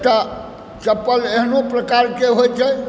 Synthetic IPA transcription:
t̪ə | t͡ʃəpːəleɦnopɾəkaɾkeɦojt͡ʃʰɛ

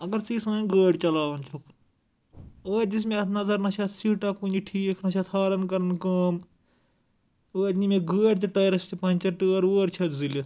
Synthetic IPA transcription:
ɐɡɐɾt͡siːsɐɡəːɖt͡ʃɐlaːʋɐnt͡ʃʰokʰ | oːd͡ʒis̬mẽɐt̪ʰnɐzɐɾnɐt͡ʃʰɐt̪ʰsiːʈaːkuːniʈʰiːkʰnɐʃʰɐt̪ʰhaːɾɐnkɐɾɐnkɐːm | oːɐd̪nimẽɡəːɖt̪̬eʈɐːɾɐst̪ipɐ̃nʲt͡ʃɐʈəːɾuːɾt͡ʃʰɐt̪ʰzilɐ

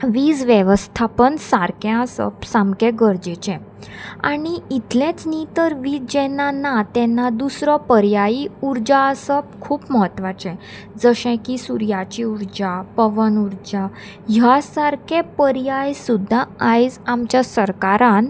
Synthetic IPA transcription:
ʋiːd͡zʋjɛʋəst̪ʰapənsaɾkɛ̃əsə̰psãmkɛ̃ɡəɾd͡ʑet͡ɕɛ̃ | a̰ɽ̃iit̪lɛ̃t͡snit̪əɾʋiːd͡zd͡ʑɛnːanat̪ɛnːad̪usɾɔpəɾjaiuɾd͡ʑaəsəp̚kʰuːpməɦət̪ʋat͡ɕɛ̃ | d͡zəɕɛ̃kisuɾjat͡ɕiuɾd͡ʑapəʋənuɾd͡ʑa | ɦjasaɾkʰɛ̃pəɾjajsud̪ʱːaajd͡zamt͡ɕjasəɾkaɾan

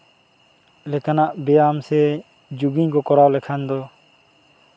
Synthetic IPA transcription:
lɛkanaʔbɛjamsɛ | d͡ʒuɡiɲkɔkɔɾawlɛkʰand̪ɔ

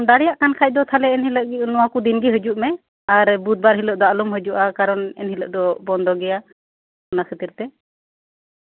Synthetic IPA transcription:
d̪aɽɛjaʔkankʰac̚d̪ɔt̪ʰalɛːnhiləʔɡinɔwakud̪inɡiɦəd͡ʒuʔmɛ | aɾbut̪̚baɾɦiləʔd̪ɔalumɦəd͡ʒuʔakaɾɔnɛ̰nhiləʔd̪ɔbɔnd̪ɔɡɛja | ɔnasət̪iɾt̪ɛ

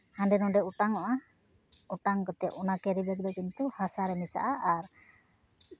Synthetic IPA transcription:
hanɖɛnɔɖɛuʈaŋɔʔa | uʈaŋkɔt̪ɛʔɔnakɛɾibɛɡd̪ɔkint̪uhasaɾɛmisa̰ʔaʔaɾ

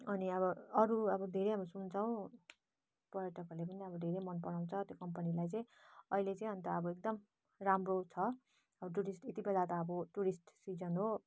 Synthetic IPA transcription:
ʌniʌβʌʌɾuʌbʌd̪ʱeɾeɦamisunt͡sʰaw̃ | pʌɾjʌʈʌklepʌniʌbʌd̪ʱeɾemʌnpʌɽaw̃t͡sʰʌt̪jokʌmpʌnilajt͡sʌ̃j̃ʌɦilet͡sʌĩɦʌnt̪aʌbʌek̚d̪ʌm | ramrot͡sʰʌ | ʌbʌʈ̬uɾisʈet̪ibelat̪ʌːbʌʈuɾisʈsid͡zʌnɦo

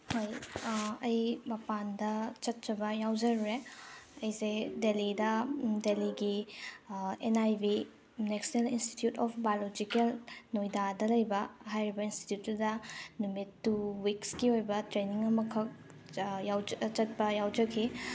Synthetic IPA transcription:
hojɐjmɐpandɐt͡ʃɐt̚t͡ʃɐbɐjawd͡ʒɐɾɾeɐjsedelidɐdeliɡi | enajbi | neksnelinsti̥tjutɔpʰbajolod͡ʒikelnojdadɐlɐjbɐɦajɾibɐinsti̥tjutːudɐnumitːuwikskiojbɐtɾeniŋɐmɐkʰɐk̚ | jawt͡ʃɐt̚pɐjawd͡ʒɐkʰi

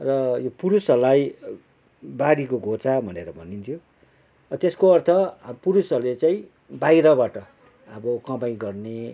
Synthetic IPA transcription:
rʌjopuɾusʌlaj | baɽikoɡʱot͡sabʱʌneɾʌbʱʌnint̪ʰjo | ʌt̪eskoʌrt̪ʰʌpuɾusʌlet͡saĩ | bajɾʌbaʈʌ | ʌbʌkʌbaj̃ɡʌrne

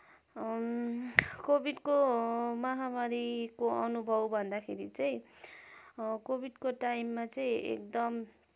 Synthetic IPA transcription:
kobʱiɖkomʌɦamaɾikoʔʌnubʱʌbbʱʌnd̪akʰeɾit͡sʌj̃ | kobʱiɖkoʈajmːat͡sʌĩḛkd̪ʌm

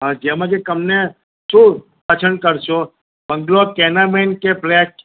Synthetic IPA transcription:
ɦãd͡ʒemãd͡ʒekəmne | ʃũ | pat͡ʃʰənkəɾʃo | bə̃ŋɡlokenamenkeplɛk

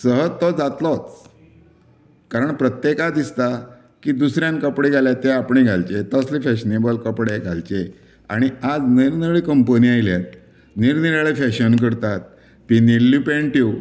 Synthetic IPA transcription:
səɦəd͡zt̪ːɔd͡zat̪lɔt͡s | kaɾəɳpɾət̪jekad̪ist̪a | kiːd̪usɾjãnkəpɽeɡʱaljat̪eapɳiɡʱalt͡ɕet̪əslefɛɕnebəlkəpɽeɡʱalt͡ɕe | a̰ɽ̃iad͡zniɾnəɭikəmpəniajljat̪̚ | niɾniɾaɭefɛɕənk̬əɾt̪at̪̚ | pinilːipẽɳʈiw

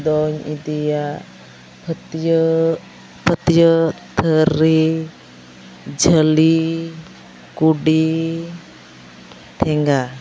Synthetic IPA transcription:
d̪ɔɲid̪ija | pʰət̪j | pət̪jət̪ʰəɾi | d͡ʒʱəli | kuɖi | t̪ʰɛŋɡa

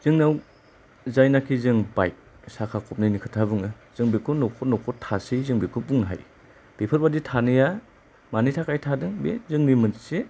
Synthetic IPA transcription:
z̥ɯŋnaw | zajnakʰizɯŋba̰jk̚sakʰakʰɔp̚nɯjnikʰɯtʰabuŋɯ | z̥ɯŋbikʰunɔkʰɔnɔkʰɔtʰasizɯŋbikʰubuŋnɯɦa̰j | b̥epʰɯɾbaditʰanɯja | manitʰakʰajtʰadɯŋbḛzɯŋnimɯnse

